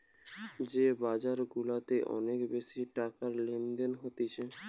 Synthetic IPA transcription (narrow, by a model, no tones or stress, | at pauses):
d͡ʑebad͡ʑaɾɡulat̪eʔɔ̰nekbeʃiʈakaɾlend̪enɦot̪it͡ɕʰe